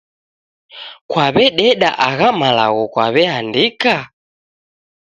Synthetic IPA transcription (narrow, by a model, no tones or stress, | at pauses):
kwaβɛɗɛɗa̰ʔaɣamalaɣɔkwaβɛhandika